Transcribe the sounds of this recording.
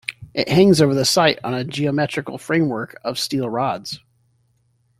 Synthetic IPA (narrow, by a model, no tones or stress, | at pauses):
ʔɪʔhæ̃ŋzoʊvə˞ðɨsaɪɾn̩ɨd͡ʒiɨmɛt͡ʃɹ̥ɨkl̩ˠfɹẽɪ̃mwɜ˞kʰʌv̥stilˠɹɑdz̥